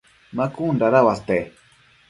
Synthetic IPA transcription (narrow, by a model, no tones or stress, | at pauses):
makundaɾawast̪e